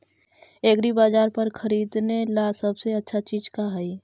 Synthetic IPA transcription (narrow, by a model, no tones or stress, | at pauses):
eːɡɾibaːd͡ʒaːɾpəɾkʰəɾiːd̪nelasəbseətːʃʰat͡ʃiːd͡ʒkaɦɛi